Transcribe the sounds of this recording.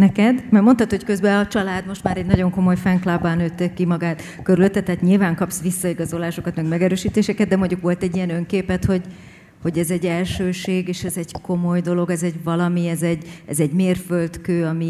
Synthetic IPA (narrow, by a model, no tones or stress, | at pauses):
nɛkɛd̪mɛrmo̞nt̪ɒt̪ho̞ckøzbɛɒt͡ʃɒlaːd̪mo̞ʃt̪maːɾɛɟnɒɟo̞ŋko̞mo̞jfɛŋklabːaːnøːt̪ːekːimɒɡaːt̪ | køɾyløt̪ːɛt̪ːɛɦːt̪ɲilvaːŋkɒpsʋisːɒiɡɒzo̞laːʃo̞kɒt̪mɛɡmɛɡɛɾøːʃiːt̪eːʃɛkɛd̪̚d̪ɛmo̞ɲɟukʋo̞lt̪ɛɟːijɛnø̞ŋkeːpɛt̪ho̞ɟ | ho̞ɟɛzɛɟːɛlʃøːʃeːɡeːʃɛzɛɟko̞mo̞jd̪o̞lo̞ɡɛzɛɟvɒlɒmiɛzɛɟɛ̰zɛɟmeːrfølt̪køːɒmi